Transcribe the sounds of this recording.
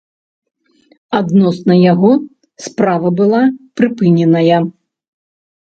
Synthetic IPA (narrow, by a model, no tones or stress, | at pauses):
ad̪nɔsnɐjaɣɔ | spɾavɐbɨlˠapɾɨpɨnʲɛnɐjɐ